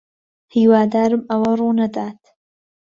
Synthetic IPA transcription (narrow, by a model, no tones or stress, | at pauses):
hiːwaːd̪aːɾɨmɐwɐruːnɐd̪aːt̪ʰ